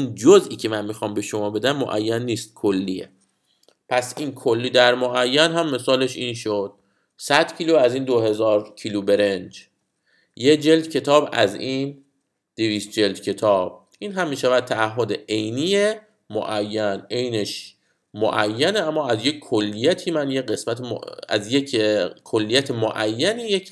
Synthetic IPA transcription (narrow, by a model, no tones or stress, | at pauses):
und͡ʒozʔiːcʰe̞mænmiːxɒːmbe̞ʃomɒːbe̞d̪æmːo̰ʔæ̰jːænːiːst̪̚kʰolːijḛ | pʰæsiːnkʰolːiːd̪æɾmoʔæjːænɦæmːe̞sɒːle̞ʃiːnʃod̪̥̚ | sæd̪̥cʰiːluæziːnd̪oɦe̞zɒːɾcʰiːlube̞ɾend͡ʒ | jed͡ʒe̞ld̪cʰe̞t̪ʰɒːbæ̰ziːn | d̪̥eviːst̪̚d͡ʒe̞ld̪cʰe̞t̪ʰɒːb̥̚ | ʔiːnɦæmːiːʃævæd̪̚t̪ʰæːhɦːod̪eʔejniːje | mo̰ʔæjːæne̞jneʃ | mo̰ʔæjːæneæmːɒːæzje̞cʰkʰolːijæt̪ʰiːmænjeɢe̞smæt̪ʰem̰æ̰zjecʰkʰolːijæt̪ʰemoʔæjːænijecʰ